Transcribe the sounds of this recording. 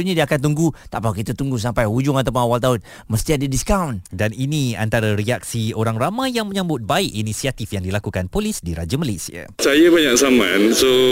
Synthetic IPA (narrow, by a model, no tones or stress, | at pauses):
ɲadiakant̪uŋɡut̪aʔpakit̪ət̪uŋɡus̬ampajhud͡ʒʊŋat̪awp̬ʊnawalt̪aʊn | məst̪iadədiskawndaninia̰nt̪aɾaɾiak̚sioɾaŋramajjaŋmə̃ɲãmbʊt̪̚baikinisiat̪ifjaŋdilakukanpolisdiɾad͡ʒamalesia̰sajabaɲaʔsamãnso